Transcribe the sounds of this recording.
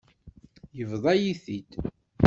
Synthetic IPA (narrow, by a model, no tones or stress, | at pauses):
jəvðˤɑjiθit̪